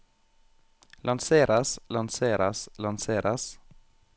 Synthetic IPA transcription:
lʔɑnseːɾaslɑnseːɾaslɑnseːɾʔas

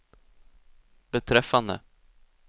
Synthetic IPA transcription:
b̥ɛt̪ʰɾɛfːand̪ə̰

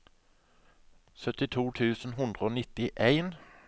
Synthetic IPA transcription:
sœt̪ɪt̪ʰuːt̪ʰʉːsn̩ɦʉnd̪ʁəoːnɪt̪ɪʔeɪn

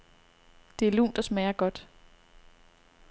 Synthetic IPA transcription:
d̥e̝æɐlṵːnd̥ɒ̽smæːɐɡ̥ɒ̽d̥

